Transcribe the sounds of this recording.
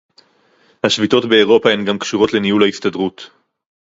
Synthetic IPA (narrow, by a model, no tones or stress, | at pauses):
haʃvito̞tbe̞ːʁo̞paemɡamkʃuʁo̞tle̞nijulhaistadʁut